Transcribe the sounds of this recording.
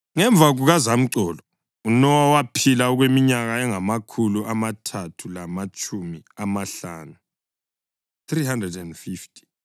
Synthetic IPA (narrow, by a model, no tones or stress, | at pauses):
ŋɛɱb̪vʱaɣuɣazam̩ǀɔːlɔ | unɔwawapʰilaɔɣwemiɲaɣaɛŋamakʰuluʔamatʰatʰulamat͡ʃʼumiamaɬa̰ːnu | θrihandrɛdɛndfiftʰʼi̥